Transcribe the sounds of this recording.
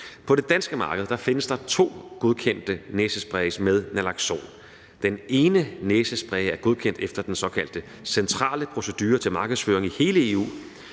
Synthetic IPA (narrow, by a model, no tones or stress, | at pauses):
pʰɒ̽ɾ̥e̝d̥ænsɡ̥əmɑ̈ːɡəð̞̩ˠd̥ɑ̈fe̝nəsd̥ɑ̈t͡sʰo̝̰ːɡ̥o̝ðˠkʰen̰d̥əneːsəsb̥ʁɛɪsmeðˠnælɑ̈ɡ̥so̝̰ːn | d̥ene̝ːnəneːsəsb̥ʁɛɪæɐɡ̥o̝ð̞ˠkʰen̰d̥efd̥ɐd̥ensɒ̽kʰæl̰d̥ə | sent͡sʰʁɑ̰̈ːləpʰʁo̝səd̥yːɐt͡sʰelmɑ̈ːɡ̥əðˠsføːɐeŋihe̝ːləe̝ːṵː